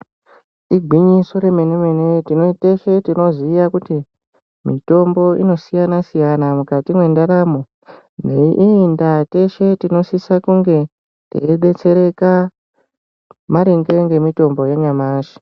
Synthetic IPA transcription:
iɡʱwiɲiso̞ɾe̞menemenetinoteʃe̞tino̞zijakuti | mito̞mbo̞ino̞sijanasijanamukatimwe̞ndaɾaːmo | neʔiːndate̞ʃe̞tino̞sisakuŋɡe̞ | tḛːɓe̞t͡se̞ɾe̞ka | maɾeŋɡe̞ŋɡe̞mito̞mbo̞jeɲamaːʃi̥

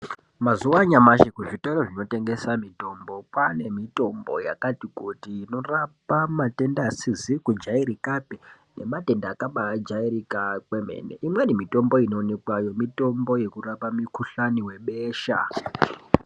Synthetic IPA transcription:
mazuwaɲamaʃikuʐitoɾoʐino̞te̞ŋɡe̞samito̞mbo̞pane̞mito̞mbo̞̰ja̰katikutiːno̞rapamate̞ndasizikud͡ʒaiɾikapi | ne̞̰mate̞ndaːkaɓad͡ʒaiɾikakwe̞me̞̰nḛʔimwenimito̞mbo̞ino̞ːnekwajo̞mito̞mbo̞je̞kurapamikuɬaniwe̞ɓeːʃa̰

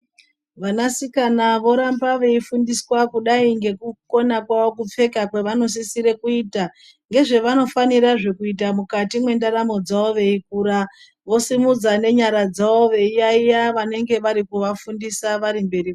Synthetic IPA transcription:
ʋanasikanaʋo̞ɾambaʋe̞ifundiswakuɗaiŋɡe̞kuko̞nakwao̞kup͡fe̞kakwe̞ʋano̞s̬isiɾe̞kuiːta | ŋɡe̞ʐe̞ʋano̞faniɾaʐe̞kuit̬amukatimwe̞ndaɾamo̞d͡zaoʋe̞ik̚uːɾa | ʋo̞simud͡zane̞ɲaɾad͡zao̞ʋe̞ijaijaʋane̞ŋɡe̞ʋaɾikuʋafundisaʋaɾimbe̞ri

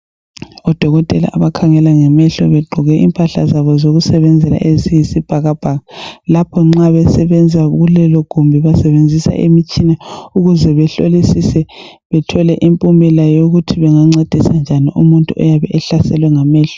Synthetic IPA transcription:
ɔd̥ʱɔɣɔtʼɛla̰ʔaβakʰaŋɛlaŋɛmɛɬɔβɛɡ͡ǃʱɔɣɛʔimpʼaɬa̰zaβɔzoɣusɛβɛnd͡zʱɛla̰ʔezijisib̥ʱaɣab̥ʱaɣalapʰɔŋ͡ǁaβɛsɛβɛnd͡zʱaɣulɛlɔɡ̥ʱumbʱiβasɛβend͡zʱisa̰ʔḛmit͡ʃʼinɛuɣuzɛβɛɬo̰lisisɛ | βɛtʰɔlɛʔimpʼumbʱɛlajoɣutʰiβɛŋaŋ͡ǀed̥ʱisand͡ʒʱaniʔumuntʼuʔɔ̰jaβɛʔɛɬasɛ̰lwɛŋamɛːɬɔ̥

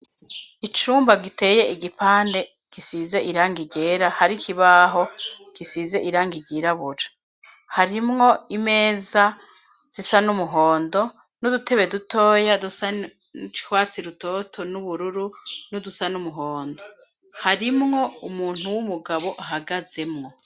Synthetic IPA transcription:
it͡ʃuːmbaɡite̞ːje̞iɡipaːnde̞ | kisize̞ʔiɾaːŋɡiɟe̞ːɾahaɾikʰiβaɦo̞kisize̞ʔiɾaːŋɡiɡiɾaβuɾḁ | haɾimŋo̞ime̞ːza | z̥isanumuɦo̞ːndo̞ | nudute̞βeduto̞ːjadusa | t͡ʃi̥hwaːt͡siɾuto̞ːtʰo̞nuβuɾuɾunudusanumuɦoːndo̞ | haɾimŋo̞umuːn̥huwumuɡaβo̞ʔaɦaɡaze̞mŋo̞

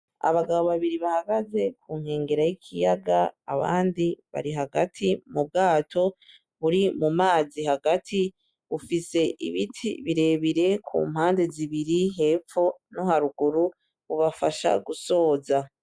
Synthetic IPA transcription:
a̰βaɡaβo̞βaβiɾiβahaɡaze̞kʰuːŋ̥he̞ːŋɡe̞ɾajikʰijaɡaːβa̰ːndiβa̰ɾiɦaɡatʰimub̚ɡaːtʰo̞ | βuɾimumaːziɦaɡatʰi | ufise̞ʔḭβitʰḭβiɾe̞βiɾe̞kʰṵːm̥haːnde̞ziβiɾiɦe̞ːfo̞nohaɾuɡuɾu | βuβafaʃa̰ɡuso̞ːza

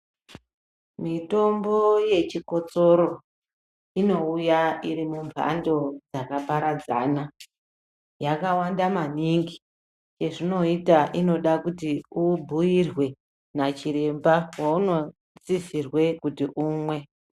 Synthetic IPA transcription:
mito̞mbo̞je̞t͡ʃiko̞t͡so̞ɾo̞ | ino̞ujaiɾimuɱvʱa̰ndo̞d͡zakapaɾad͡za̰na | jakawandamaniŋɡi | t͡ʃe̞ʐino̞itaʔino̞ɗakutiubʱujirwe̞ | nat͡ʃiɾe̞mbawauno̞ | t͡sisirwe̞kutiʔuːmwe̞

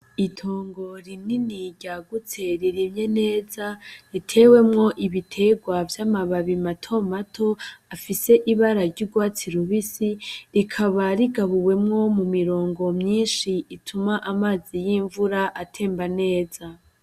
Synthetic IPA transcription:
itʰo̞ːŋɡo̞ɾininiɟaɡut͡se̞ɾiɾimɲe̞ne̞ːzaɾitʰe̞we̞mŋo̞ʔiβitʰe̞ɡwavjamaβaβimatʰo̞matʰo̞afise̞ʔiβaɾaɾɟuɾɡwaːt͡siɾuβisiɾikʰaβaɾiɡaβuwe̞mŋo̞mumiɾo̞ːŋɡo̞mɲiːnʃiitʰumaʔamaːzijiːɱvuɾaʔatʰe̞ːmbane̞ːz̥a

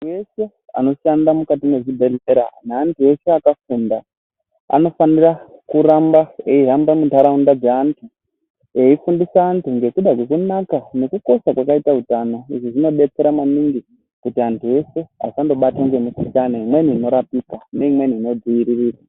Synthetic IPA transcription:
atue̞se̞ | a̰no̞ʃandamukatimwe̞ʐibʱe̞ɮeɾa̰neantʰue̞se̞akafuːnda | a̰no̞fanirakuɾambae̞iɦambamuntaɾaundad͡zeantʰu | e̞ifundisaːntuŋɡe̞kuɗakwe̞kunakane̞kuko̞sakwakaitautano̞iʐoʐino̞ɓe̞t͡se̞ɾamaniŋɡi | kutiantʰue̞se̞a̰sando̞ɓatoŋɡe̞misikanaimwe̞niino̞ɾapikane̞imweniino̞d͡ziiɾiriːra

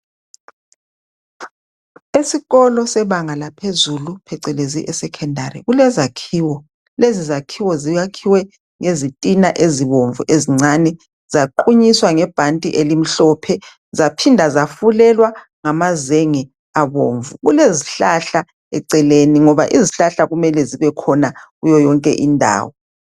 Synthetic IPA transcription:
esiɣɔlɔsɛβaŋalapʰezulupʰɛǀɛleziʔɛsɛkʰɛndʱaɾḭɣulɛzakʰiːwɔ | lezizakʰiwɔzijakʰiwɛ | ŋezitʼinaʔeziβoɱvuʔeziŋ͡ǀanɛ | z̥aǃuɲiswaŋɛb̥ʱantʼiʔelim̩ɬɔpʰɛ | zapʰindʱazafulɛlwa | ŋamazeŋɛ | aβoːɱvuɣuleziɬaɬa | ɛ̰ǀɛleniŋɔβaʔiziɬaɬaɣumɛlɛziβɛkʰɔnaɣujɔjɔŋkʼɛ̰ʔindʱa̰ːwɔ

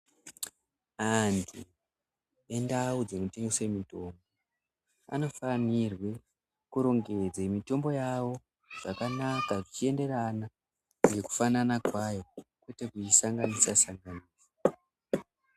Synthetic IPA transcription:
antʰu | e̞ndaud͡zenote̞ŋɡesemito̞ːmbo | a̰no̞fanirwe̞ | kuɾo̞ŋɡe̞d͡zemito̞mbo̞jawo̞ | ʐ̥akanakaʐit͡ʃie̞nde̞rana | je̞ku̥fananakwajo̞kwe̞te̞kuisaŋɡanisasaŋɡaniːso̥

